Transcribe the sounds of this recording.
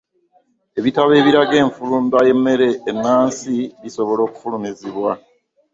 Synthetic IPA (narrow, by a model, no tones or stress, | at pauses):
e̞βitaβe̞ːβiɾaɡe̞ːɱfuluːmbaje̞mːe̞ɾe̞ʔːnːaːnsiβiso̞βo̞lo̞ːku̥fulumiziβwa